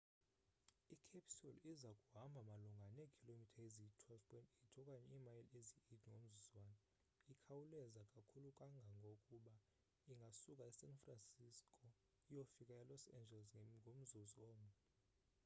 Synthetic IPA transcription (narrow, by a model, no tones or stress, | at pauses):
ikʰapʰsɔlizakʼuɦambʱamaluŋɡʱanekʰilomitʰaezitʰwɛlvpʰɔjntʼetʰɔkʼaɲɛiːmajleziitʰiŋɡʱom̩zuzwaːnɛ | ikʰawulɛzakʼakʰulukʼaŋɡʱaŋɡʱokʼuɓa | iŋɡʱasukʼaɛsɛnfransiskʰʼɔ | ijofikʼajalɔsɛ̰nd͡ʒʱɛlsŋɡʱom̩zuziwɔːmu